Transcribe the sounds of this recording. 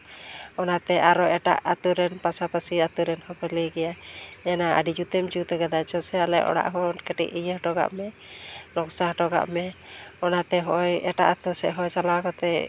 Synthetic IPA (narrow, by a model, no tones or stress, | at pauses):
ɔnat̪ɛʔaɾɔʔɛʈa̰ʔat̪uɾɛnpasapəsiat̪uɾɛnhɔpəliɡɛjaɛnaə̰ɖid͡ʒut̪ɛmd͡ʒut̪ɛɡad̪ajt͡ʃɔsɛalɛʔɔ̰ɽa̰ʔɦɔnkɛʈḭʔijəʈɔɡa̰ʔmɛ | lɔksahʈɔɡa̰ʔmɛɔnat̪ɛɦɔʔjɛʈaʔat̪usɛ̰ʔɦɔjsalakɔt̪ɛ